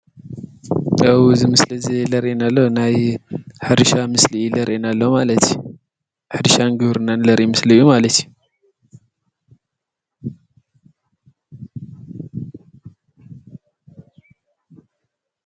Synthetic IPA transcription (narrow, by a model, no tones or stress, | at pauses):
tʼawzɨmɨslɐzelɐɾʔenalːonajħɨɾɨʃamɨsliʔilɐɾʔenalːomalɐt̪ju | ħɨɾɨʃanɡɨβɾɨnːanlɐɾʔimɨslɨjːumalɐt̪ju